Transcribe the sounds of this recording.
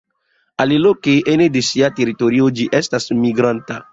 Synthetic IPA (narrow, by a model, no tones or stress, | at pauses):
alilokeʔenedesiateɾitoɾiod͡ʒiʔestasmiɡɾanta̰